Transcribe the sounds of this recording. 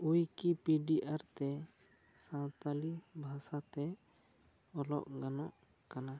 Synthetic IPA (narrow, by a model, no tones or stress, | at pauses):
ujkipiɖiʔaɾt̪ɛ | sãwt̪alibʱasat̪ɛ | ɔlɔ̰ʔɡanɔʔ | kana